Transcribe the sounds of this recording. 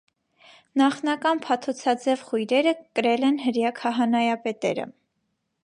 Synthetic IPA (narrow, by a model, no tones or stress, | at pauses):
nɑχnɑkɑnpʰɑt̪ʰɔt͡sʰɑd͡zɛvχujɾɛɾəkəɾɛlɛnɦəɾjɑkʰɑɦɑnɑjɑpɛt̪ɛ̰ɾə̰